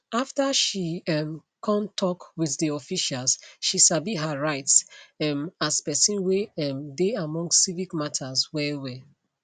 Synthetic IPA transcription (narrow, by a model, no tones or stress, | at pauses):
aftaʃiɛm | kʰɔ̃ntʰɔkwiðdiɔfiʃalsʃisabiɦaɹaɪtsɛmaspɛsĩnwemdeamɔ̃ŋsːivikmatʰaswɛwɛ